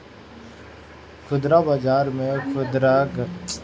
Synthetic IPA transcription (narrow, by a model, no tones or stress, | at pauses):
kʰʊd̪ɾabaːd͡ʒaːɾmẽkʰʊd̪ɾaɡ